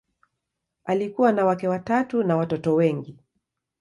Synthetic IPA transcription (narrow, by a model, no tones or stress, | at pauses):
alikuwanawakɛwatatunawatɔtɔwɛŋɡi